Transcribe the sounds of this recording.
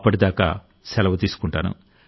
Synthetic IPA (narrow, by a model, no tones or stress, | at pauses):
pːɐʈid̪aːka̰ː | sɛlɐʋɐt̪iːsu̥kuɳʈaːnṵ